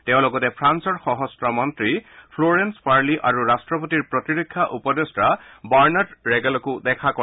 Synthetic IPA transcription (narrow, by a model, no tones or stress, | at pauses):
tɛʊ̃lɔɡɔtɛpʰɹansɔɹxɔɦɔstɹɔmɔntɹipʰloɹenspaɹliʔaɹuɹastɹɔpɔtiɹpɹɔtiɹokʰːjaʔupɔdestɹabaɹnatɹɛɡɛlɔkʊdɛkʰakɔ